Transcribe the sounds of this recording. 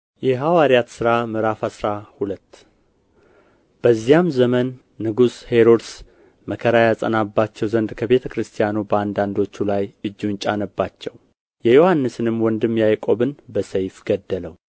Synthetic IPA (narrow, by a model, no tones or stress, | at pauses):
jɛɦawaɾijat̪sɨɾamɨɾafasɾahulət̪ː | b̥əzːijamzəmənː | ɨɡushe̞ɾod̪s | məkʰəɾajasʼə̰nabːat͡ʃːɛwzənd̪kʰəβe̞t̪ʰəkʰɾɨst̪ʰijanubəand̪and̪o̞t͡ʃːulajɨd͡ʒːunt͡ʃʼanəbːat͡ʃːɛw | jɛjo̞hanːɨsɨnɨmwɔnd̪ɨmjajkʼo̞βɨnbəsəjfɡəd̪ːələw